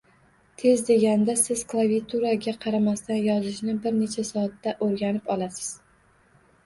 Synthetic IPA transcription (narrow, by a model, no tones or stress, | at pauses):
t̪ʰe̞zd̪e̞ɡʲand̪asɪz̥klˠaviat̪ʰuɾaɡʲaqʰɑɾamast̪anjɒzɪʃnɪbɪɾne̞t͡ʃʰasɒːt̪ːaʔoɾɡʲanɪpɒlasɪ̥z̥